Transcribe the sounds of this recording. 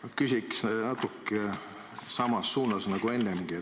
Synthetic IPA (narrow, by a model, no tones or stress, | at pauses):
kysʲiksnɑt̪ːˑukːˑe | sɑmɑsːuːnɑsnɑɡ̥ue̞nːemɡ̥ie